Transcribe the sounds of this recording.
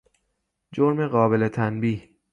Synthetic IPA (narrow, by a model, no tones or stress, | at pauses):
d͡ʒoɾme̞ɣɒːbe̞le̞t̪ʰænbiːh